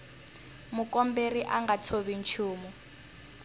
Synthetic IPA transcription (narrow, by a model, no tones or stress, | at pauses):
mukɔmberiʔaŋɡat͡sʰoβin̩t͡ʃʰuːmɔ